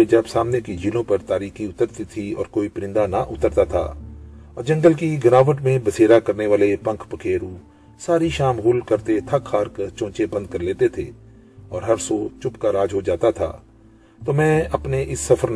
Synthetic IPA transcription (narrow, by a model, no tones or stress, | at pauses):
ed͡ʒɐbsaːmnekid͡ʒiːlõpɐɾt̪aːɾiːxiʊt̪əɾt̪it̪ʰiɔ̰ːɾkoːipɾɪ̃nd̪anaʔʊt̪əɾt̪at̪ʰa̰ːɔːɾd͡ʒɐ̃ŋɡəlkiɡɐnaːʋəʈmẽbɐseːɾakɐɾneʋaːlepɐ̃ŋkʰpəkʰeːɾũ | saːɾiʃaːmɣʊlkɐɾt̪et̪ʰɐkxaːɾkt͡ʃõːt͡ʃebɐ̃nd̪̚kɐɾleːt̪et̪ʰḛː | ɔːɾɦɐɾsot͡ʃʊpkaɾaːd͡ʒɦod͡ʒaːt̪at̪ʰa̰ː | t̪oːmɛ̃ːɐpneʔɪsːɐfʰəɾn